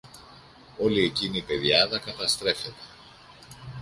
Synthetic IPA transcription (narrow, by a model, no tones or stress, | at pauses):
o̞lie̞cinipe̞ðjɐðɐkɐt̪ɐst̪ɾe̞fe̞t̪e̥